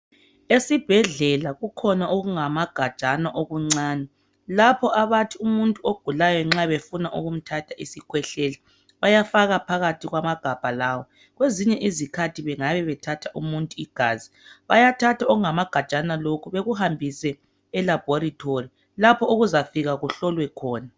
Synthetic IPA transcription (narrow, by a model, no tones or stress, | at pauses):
esib̥ʱɛɮɛlaɣukʰɔnaʔoɣuŋamaɡ̥ʱḁt͡ʃʼanaʔoɣuŋ͡ǀaːnɛ | lapʰɔʔaβatʰiumuntʼuoɡ̥ʱulajɔŋ͡ǁaβefunaʔuɣum̩tʰatʰaʔisikʰwɛɬɛli | βajafaɣapʰaɣatʰiɣwamaɡ̥ʱab̥ʱalawɔ | ɣweziɲɛʔizikʰatʰiβɛŋaβɛβɛtʰatʰaʔumuntʼuiɡ̥ʱaːzi | βajatʰatʰaɔɣuŋamaɡ̥ʱḁt͡ʃʼanalokʰuβeɣuhambʱisɛː | lab̥ʱoɾitʰori | lapʰɔuɣuzafiɣaɣuɬɔlwɛkʰɔːna